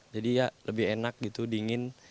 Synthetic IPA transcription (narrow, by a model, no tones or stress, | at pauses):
d͡ʒadijaləbɪhenak̚ɡit̪udiŋɪn